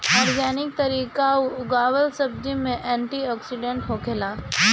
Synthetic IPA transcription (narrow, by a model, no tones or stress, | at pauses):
aːɾɡaːnɪk̚t̪ɐɾiːkauʊɡaːʋəlsɐb̚d͡ʒimẽʔɛ̃ːɳʈiɔːksiɖẽɳʈɦoːkʰelaː